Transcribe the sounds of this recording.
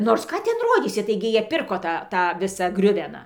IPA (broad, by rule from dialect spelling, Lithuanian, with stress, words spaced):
ˈnoːrs ˈkɑː ˈtʲɛn ˈroːdʲiːsʲɪ ˈtɐɪɡʲɪ ˈjiɛ ˈpʲɪrkoː ˈtɑː ˈtɑː ˈʋʲɪsɑː ˈɡrʲʊʋʲɛnɑː